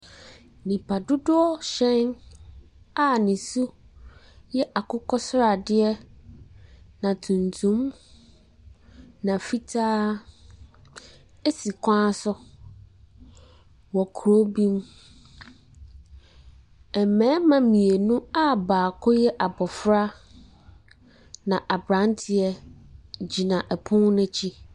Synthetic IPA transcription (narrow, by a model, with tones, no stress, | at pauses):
nĩ˨pʰa˨dʊ˦dʊ˦ɔ˦ɕɛ̃˦n | a˦nɪ̃˨su˦ | jɛ˦ʔa˨kʰʊ˦kʰɔ˦sʊ˦ɾa˨dɪ˦ɛ˦ | nã˨tʰũ˨ntʰũ˦m | nã˨fi˦tʰaː˦ | e˦si˨kʷʰã˦sʊ˦ | wɔ˨kʰu˨ɾo˦bĩ˦m | ɛ˨mɛ̃˦mã˨mĩ˨e˨nʊ̃˦a˦baː˨kʰɔ˦jɛ˦ʔa˨bɔ˨fɾa˦ | nã˨ʔa˨bɾã˦n˦tʰɪ˦ɛ˦ | d͡ʑi˨nã˨ʔɛ˨pʰʊ̃˦ŋnʊ̃˦t͡ɕʰi˦